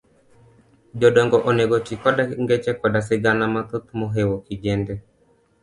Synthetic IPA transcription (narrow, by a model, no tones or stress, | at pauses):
d͡ʒɔɗɔŋɡɔʔɔnɛɡɔtikaɗaŋɡɛt͡ʃɛkwaɗas̬ɛɡanamat̪ɔt̪umɔɦɛwɔkid͡ʒɛndɛ